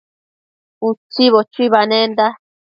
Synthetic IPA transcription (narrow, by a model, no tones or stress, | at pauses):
ut͡siβot͡ʃuiβanẽnd̪a